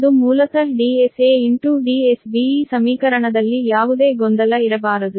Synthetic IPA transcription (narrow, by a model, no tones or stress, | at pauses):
d̪umuːlɐkɐɖiːeseːiɳʈuɖiːesbiisɐmiːkɐɾɐɳɐd̪ɐlːijaːʋud̪e̞ːɡond̪ɐlɐiɾɐbaːɾɐd̪u